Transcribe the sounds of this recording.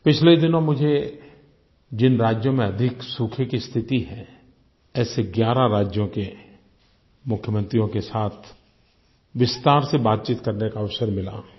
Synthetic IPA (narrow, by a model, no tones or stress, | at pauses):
pɪt͡ʃʰled̪ɪnõmʊd͡ʒʱe | d͡ʒɪnɾaːd͡ʒjõmẽɐd̪ʱɪksuːkʰɪkist̪ʰɪt̪iɦɛ̃ | ɛːseɡjaːɾaɾaːd͡ʒjõke | mʊkʰjəmə̃nt̪ɾijõkesaːt̪ʰ | ʋɪst̪aːɾsebaːt̪̚t͡ʃiːt̪kɐɾnekaɐʋsəɾmɪla̰ː